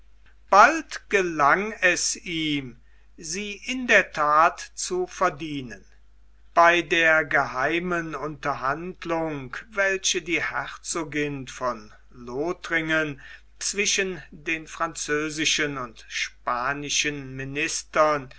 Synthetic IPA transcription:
b̥altɡ̥əlaŋɛsiːm | ziːʔɪndeːɐtʰaːtt͡sufɛɐdiːnən | b̥aɪdeːɐɡəhaɪmənʊntɐɦandlʊŋkvɛlʃədiːhɛʁt͡soːɡɪnfɔn | loːtʁɪŋən | t͡sv̥ɪʃəndeːnfʁ̥ant͡søːzɪʃənʊntʃpaːnɪʃənmɪnɪstɐn

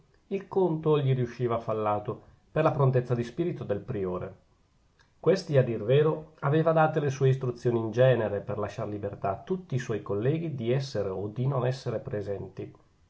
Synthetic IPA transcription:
ilkont̪oʎiɾiuʃːiːvafalːaːt̪o | perlapɾont̪̬et̪sːad̪ispiːɾit̪od̪elpɾioːɾe | kwest̪iad̪ːirveːɾoaveːvad̪aːt̪elesuːeis̬t̪ɾut̪sːjoːniːnd͡ʒɛːneɾeperlaʃːaɾlibert̪at̪ːut̪ːiːswɔjkolːɛːɡid̪iɛsːeɾeod̪inonɛsːeɾepɾezɛnt̪i

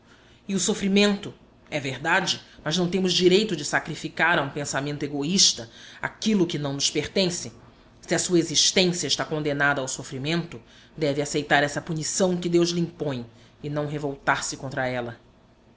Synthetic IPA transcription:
ɪʊsofɾimẽnt̪ʊ | ɛveɾd̪ad͡ʒɪmɐznɐ̃w̃t̪ẽmʊzd͡ʒiɾejt̪ʊd͡ʒɪsakɾifikaɾɐũpẽsamẽnt̪ʊeɡoiʃt̪ɐa̰kilʊkɪnɐ̃w̃nʊspeɾt̪ẽsɪ | siɐsuɐeziʃt̪ẽsiɐɪʃt̪akõnd̪enad̪ɐːwsofɾimẽnt̪ʊ | d̪ɛvɪasejt̪aɾɛsɐpunisɐ̃w̃kɪd̪ewzlɪĩpõj̃ | ɪnɐ̃w̃ɦevowt̪aɾsɪkõnt̪ɾɐɛlɐ

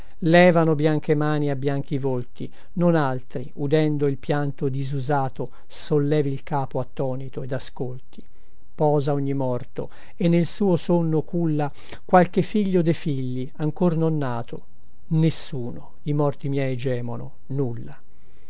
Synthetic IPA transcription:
lɛːvanobjaŋk̟emaːniabːjaŋk̟ivolt̪i | nonalt̪ɾiʔud̪ɛnd̪oilpjant̪od̪izuzaːt̪o | solːɛːvilkaːpoat̪ːɔːnit̪oed̪askolt̪i̥ | pɔːzaoɲːimɔrt̪o̰ | enːelsuːosonːokulːa | kwalkefiʎːod̪efiʎːiaŋkornonːaːt̪o | nesːuːno | imɔrt̪imjɛjd͡ʒɛːmono̰ | nulːa

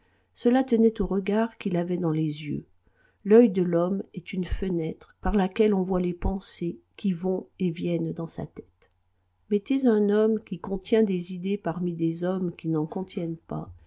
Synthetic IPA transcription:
səlat̪ənɛt̪oʁəɡaʁkilavɛd̪ɑ̃lezjø̰ | lœjd̪əlɔmɛt̪ynfənɛt̪χpaʁlakʲɛlɔ̃vwalepɑ̃sekʲivɔ̃evjɛnd̪ɑ̃sa̰t̪ɛ̥t̪ | met̪ezɛ̃nɔmkʲikɔ̃t̪jɛ̃d̪ezid̪epaʁmid̪ezɔmkʲinɑ̃kɔ̃t̪jɛnpa̰

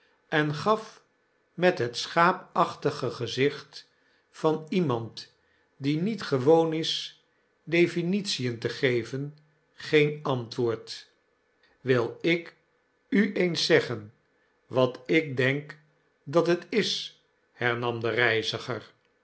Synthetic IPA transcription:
ɛnχɑf | mɛtɦətsχaːpɑχtəχəχəzɪχt | fɑnimɑnt | dinitχəʋownɪs | dejfinitsijəntəχejvən | χejnɑntʋʊːɹt | ʋɪlˠɪk | yʔejnsɛχən | ʋɑtɪk̚dɛŋk | dɑtɦətɪs | hɛɹnɑmdərɛjzəχəɹ

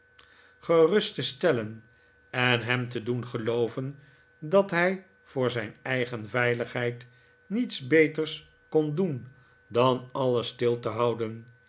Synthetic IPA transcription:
χərɵstəstɛlən | ɛnɦɛmtədunχəlowvən | dɑtɦɛj | v̥ʊːɹzɛjnɛjχənvɛjləχɦɛjt | nitsbejtəɹs | kondun | dɑnɑləstɪlˠtəɦɑwdən

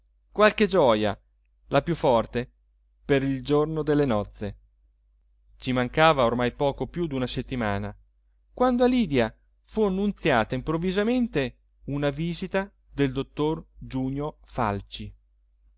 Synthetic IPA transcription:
kwalked͡ʒɔːja̰ | lapjufːɔrt̪e | peɾild͡ʒornod̪elːenɔt̪sːe | t͡ʃimaŋkaːvaormajpɔːkopjud̪unaset̪ːimaːna | kwand̪oaliːd̪ja | fuanːunt̪sjaːt̪aimpɾovːizament̪e | unaviːzit̪a | d̪eld̪ot̪ːord͡ʒuːɲjofa̰lt͡ʃi

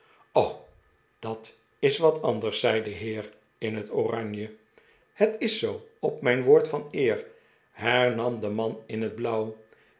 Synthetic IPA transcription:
ow | d̥ɑt | ɪsʋɑtɑndəɹsɛjdəɦɪːɹ | ɪnɦətorɑɲjə | hətɪsowɔp̚mɛjnʋoːɹtfɑnɪːɹ | ɦɛɹnɑmdəmɑnɪnɦəd̚blʌw

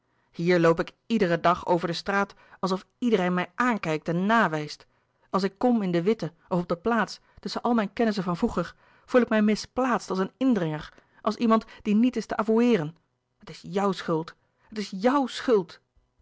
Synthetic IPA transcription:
hiːɹlowpɪk | idərədɑχo̰wvəɹdəstraːt | ɑlˠs̬ɔf | idərejnmɛjʔaːnkɛjk̚tɛnːaːʋɛjst | ʔɑlˠs̬ɪkːɔmɪndəʋɪtə | ʔɔfɔb̚dəplaːts | tɵsənʔɑlˠmɛjnkɛnəs̬əvɑnvuχəɹ | v̥ulˠɪkmɛjmɪsplaːtstɑlˠsənɪndrɪŋəɹ | ʔɑlˠsimɑntd̥initɪstəʔavuɪːrən | ətɪsjʌwsχɵlˠt | ɦətɪsjʌwsχɵlˠt

